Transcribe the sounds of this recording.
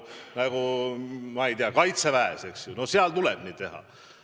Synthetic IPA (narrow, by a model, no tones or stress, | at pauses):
næɡ̥umɑejt̪eɑkɑjt̪sevææese̞ksjuno̞seɑlt̪ulɛb̥niːd̥̪̚t̪e̞ɦɑ̰